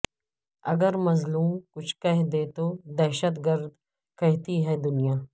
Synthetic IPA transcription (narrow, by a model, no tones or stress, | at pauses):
ɐɡəɾmɐzluːmkʊt͡ʃʰkɐɦd̪eːt̪oːd̪ɛːʃət̪ɡəɾd̪ | kɛɦt̪iɦɛːd̪ʊnijaː